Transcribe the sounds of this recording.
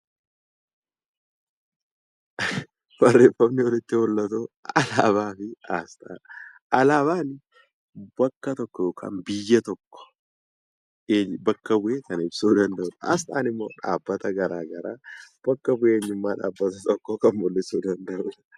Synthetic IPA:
b̥ɐrːeːfːɐmnɪɔlɪt̪ːɪhɔlːɐt̪uɐlaːbaːfɪaːst̪aː | ʔɐlaːβaːnɪ | bɐkːɐt̪ɔkːɔjoːkʰa̰ːnbɪjːɐt̪ɔkːɔ̥ | ebɐkːɐbʊʔeːkɐnɪbsuːd̪ɐnd̪ɐʊᶑɐa̰ːs̬t̪ʼa̰ːnɪmːo̞̰ːᶑa̰ːbːɐt̪ɐɡɐɾaːɡɐɾaːb̥ɐkːɐbʊʔeːɲːʊmːaːᶑa̰ːbːɐt̪ɐt̪ɔkːokɐnbɔlːɪsuːd̪ɐnd̪ɐʔʊᶑɐ̥

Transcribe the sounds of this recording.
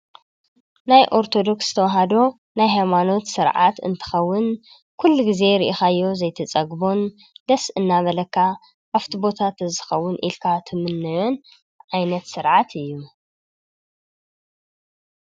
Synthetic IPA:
najʔo̞ɾt̪ʰo̞d̪o̞ksz̥ɨt̪ʰɐwɐɦad̪o̞ | najɦajmano̞t̪sɨɾʕa̰t̪ɨ̰nt̪ʰɨ̥xɐwːʊn | kʰulːuɡize̞ɾɨʔixajːo̞zɐjt̪ʰɐt͡sʼɐɡbo̞n | d̪̥ɐsɨnːaβɐlɐkʰːa | ʔaft̪ʰibo̞t̪ʰat̪ɨzɨxɐwːʊnʔḭlkʰat̪ʰɨmɨnːɨjon | ʕajnɐt̪sɨɾʕat̪ʰɨjːu

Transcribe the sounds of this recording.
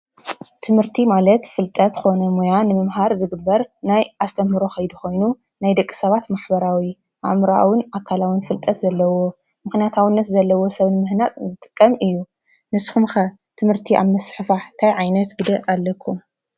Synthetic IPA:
t̪ʰɨmhɨɾt̪ʰimalɐt̪fɨlt̪ʼɐt̪kʰo̞nɐmojanɨmɨmɦaɾzɨɡɨbːɐɾnajʔast̪ʼʰɐmɨɾo̞xɐjd̪uxo̞jnu | najd̪ɐkʼːi̥sɐβat̪maħbɐɾawi | ʔa̰mɾaa̰wʊnakʰalawɨnfɨlt̪ʼɐt̪zɐlːɐwo̞ | mɨxnijat̪ʰawinːɐt̪zɐlːɐwo̞sɐβnɨmɨhnak̪ʼzɨt̪ʼɨ̥kʼːɐmʔɨjːu | nɨsxumxɐ | t̪ʰɨmhɨɾt̪ʰiʔa̰βmɐsħɨfaħt̪ʰajʕajnɐt̪ɡɨd̪ɐʔalːɐkʰːum

